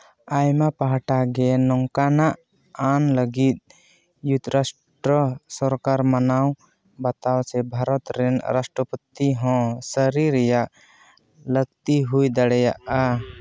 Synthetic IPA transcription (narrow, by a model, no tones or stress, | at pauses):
ajmapaɦʈaɡenɔŋkanaʔ | anləɡit̪̚ | jut̪ɾas | ʈɾɔsɔɾkaɾmənaw | bət̪awsʰɛbʱaɾɔt̪ɾɛnɾasʈɾɔpət̪iɦɔ̃səɾiɾjaʔ | ləɡ̚t̪iɦujd̪əɽɛjaʔa